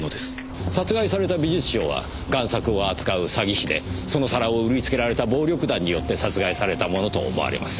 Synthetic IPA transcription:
nod̪e̞sɨ̥ | sat͡sɨɡaisaɾe̞t̪abʲiʑit͡sɨ̥ɕo̞̰ːβa̰ | ɡãɰ̃sakɯ̟o̞at͡sɨ̥kaɯ̟saɡʲiɕid̪e̞̰so̞no̞saɾaoɯ̟ɾʲit͡sɨ̥ke̞ɾaɾe̞t̪abo̞ːɾʲo̞kɯ̟d̪ãɲ̟ːijo̞t̪ːe̞sat͡sɨɡaisaɾe̞t̪amo̞no̞t̪o̞̰mo̰a̰ɾʲḭma̰sɨ̥

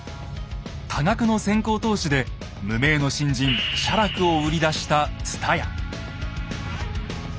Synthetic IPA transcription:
t̪ʰaɡakɯ̟no̞sẽ̞ŋko̞ːt̪o̞ːɕid̪e̞ | mɯ̟me̞ːno̞ɕĩɲd͡ʑĩɰɕaɾakɯ̟o̞ɯ̟ɾʲid̪aɕi̥t̪at͡sɨ̥t̪ʰaja̰

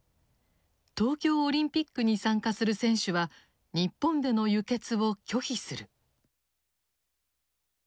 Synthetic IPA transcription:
t̪o̞ːkʲo̞ːɾʲĩmpʲikːɯɲ̟isãŋkasɨɾɯ̟sẽ̞ɰ̃ɕɨβa | ɲ̟ipːõ̞nd̪e̞no̞jɯ̟ke̞t͡sɨβo̞kʲo̞çisɨɾɯ̟

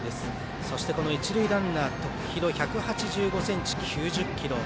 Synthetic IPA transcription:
d̪e̞sɨ̥ | so̞ɕi̥t̪e̞ko̞no̞it͡ɕiɾɯid̪ãnːaːt̪o̞kɯ̟̥çiɾo̞çakɯ̟hat͡ɕiʑɨːɡo̞sẽ̞ɲt͡ɕi̥kʲʰɨːʑɨkʲːiɾo̞

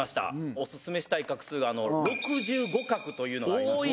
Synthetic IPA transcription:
aɕi̥t̪a̰o̞sɨsɨme̞ɕi̥t̪aikakɯ̟̥sɨːɡaːno̞ɾo̞kɯ̟ʑɨːɡo̞kakɯ̟t̪o̞jɯ̟ːno

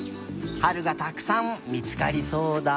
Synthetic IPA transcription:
haɾɯ̟ɡat̪akɯ̥sãmmʲit͡sɨ̥ka̰ɾʲiso̞ːd̪a

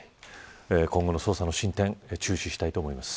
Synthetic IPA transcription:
ekõ̞ŋɡo̞no̞soːsano̞ɕĩnt̪ẽ̞ŋt͡ɕɨːɕiɕi̥t̪ait̪o̞ːmo̞imasɨ̥

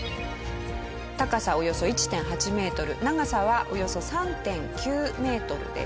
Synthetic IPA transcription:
t̪akasao̞jo̞so̞it͡ɕi̥t̪ẽ̞ɰ̃ɦat͡ɕime̞ːt̪o̞ɾɯ̟naɡasaβaʔo̞jo̞so̞sãnt̪ẽ̞ŋkʲɨːme̞ːt̪o̞ɾɯ̟̰d̪ḛ

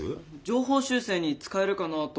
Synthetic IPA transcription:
d͡ʑo̞ːɦo̞ːɕɨːse̞ːɲ̟it͡sɨ̥kae̞ɾɯ̟kanat̪o

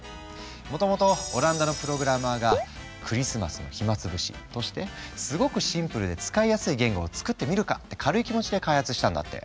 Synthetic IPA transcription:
mo̞t̪o̞mo̞t̪o̞ːɾãnd̪ano̞pɯ̟ɾo̞ɡɯ̟ɾamaːɡa | kʰɯ̟ɾʲisɨma̰sɨno̞̰çimat͡sɨbɯ̟ɕḭt̪o̞ɕi̥t̪e̞sɨɡo̞kɯ̟ɕĩmpɯɾɯ̟d̪e̞t͡sɨ̥kaijasɨiɡẽ̞ŋɡo̞ːt͡sɨ̥kɯ̟t̪ːe̞mʲiɾɯ̟ka̰t̪ːe̞̥kʰaɾɯ̟ikʲimo̞t͡ɕid̪e̞kaihat͡sɨɕi̥t̪ãnd̪a̰t̪ːe̞̰

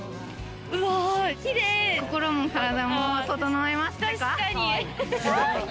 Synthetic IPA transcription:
id̪ekoko̞ɾo̞mokaɾad̪amot̪ot̪onoβaemaɕi̥t̪akaaɲi

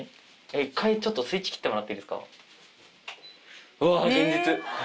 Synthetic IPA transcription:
eikʰːait͡ɕo̞t̪ːosɨit͡ɕːi̥kʲi̥t̪ːemoɾat̪ːeid̪esɨ̥ka̰ | ɯaɡẽ̞ɲd͡ʑit͡sɨ

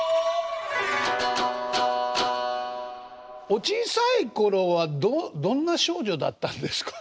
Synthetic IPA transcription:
o̞t͡ɕisaiko̞ɾo̞βad̪od̪õ̞nːaɕo̞ːʑo̞d̪a̰t̪ːãnd̪e̞sɨ̥kḁ

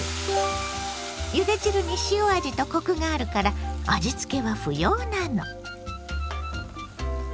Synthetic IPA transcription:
jɯd̪e̞t͡ɕiɾɯ̟ɲ̟iɕioaʑit̪o̞ko̞kɯ̟ŋaːɾɯ̟kaɾaad͡ʑit͡sɨ̥ke̞βaɸɯ̟joːnano̞

